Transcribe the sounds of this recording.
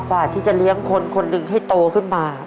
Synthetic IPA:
baː˨˩t̪ʰːiː˥˩t͡ɕa˨˩li˦˥əŋkʰo˧nkʰo˧nːɯ˧ŋɦa˥˩jt̪oː˧kʰɯ˥˩nmaː˧

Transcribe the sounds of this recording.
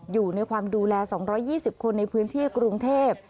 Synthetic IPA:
juː˨˩na˧jkʰwaː˧mduː˧lɛː˧sɔː˩˦ŋɾɔː˦˥jːiː˥˩si˨˩p̚kʰo˧nːa˧jpʰɯː˦˥nt̪ʰiː˥˩kɾu˧ŋt̪ʰeː˥˩p̚

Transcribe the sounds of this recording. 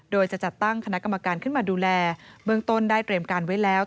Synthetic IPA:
doː˧jt͡ɕa˨˩ʔt͡ɕa˨˩t̪ːa˥˩ŋkʰa˧na˦˥ʔka˧ma˧kaː˧nkʰɯ˥˩nmaː˧duː˧lɛː˧bɯ˥əŋt̪o˥˩ndaː˥˩jt̪ɾiː˧mkaː˧nwa˦˥jlɛː˦˥w

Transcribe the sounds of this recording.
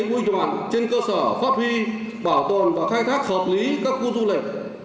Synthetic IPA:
ʔu˧jzwa̰ː˨˩nt͡ɕe˧nkəː˧səː˧˩faː˦˥p̚hi˧ | ɓaː˧˩wt̪o˧˨˩nvaː˨˩xaː˧jŋt̪ʰa˦˥k̚həː˨˩p̚li˨˦kaː˦˥kːu˧zu˧lï˨˩k̚

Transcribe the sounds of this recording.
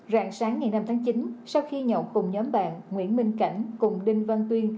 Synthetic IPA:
za̰ː˧˨ŋsaː˨˦ŋːa˨˩jna˧mt̪ʰːŋt͡ɕi˨˦nsa˧wxi˧ɲɔ̰˧˩wkʊ˨˩ŋ͡mɲɔ˨˦mɓa̰ː˧˨nŋwḭ˧˥ənmï˧ŋ̟ka̰˧˩jŋ̟kʊ˨˩ŋ͡mɗi˧ŋvə˧nt̪wi˧ən

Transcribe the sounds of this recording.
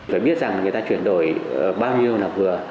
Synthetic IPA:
faː˧˩jɓi˦˥ət̚za˨˩ŋlaː˨˩ŋɨ˨˩ə˩t̪aː˧t͡ɕwi˧˩ənɗo̰˧˩jɓaː˧wɲi˧əwnaː˨˩p̚vɨ˨˩ə

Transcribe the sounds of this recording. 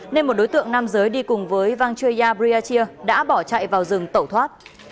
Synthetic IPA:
ne˧nmo˨˩ɗo˨˦jt̪ɨ̰˧˨əŋna˧mzəː˨˦jɗi˧kʊ˨˩ŋ͡mvəː˨˦jva˧ŋt͡ɕu˧əjzaː˧ɓɾi˧aː˧t͡ɕi˧əɗa̰ː˧˥ɓɔ˧˩t͡ɕa̰ː˧˨jvaː˨˩wzɨ˨˩ŋt̪ə˧˩wt̪ʰwaː˦˥t̚

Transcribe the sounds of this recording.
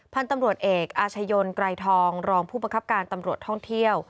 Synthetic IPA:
pʰa˧nt̪a˧mɾu˨˩ət̪̚ʔeː˨˩k̚ʔaː˧t͡ɕʰa˧jo˧nkɾa˧jt̪ʰɔː˧ŋɾɔː˧ŋpʰuː˥˩ba˧ŋkʰa˦˥p̚kaː˧nt̪a˧mɾu˨˩ət̪ʰːɔ˥˩ŋt̪ʰi˥˩əw

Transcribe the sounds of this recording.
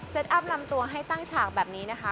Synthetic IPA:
se˦˥t̪̚ʔa˦˥p̚la˧mt̪u˧əɦa˥˩jt̪a˥˩ŋt͡ɕʰaː˨˩k̚bɛː˨˩p̚niː˦˥na˦˥kʰa˦˥

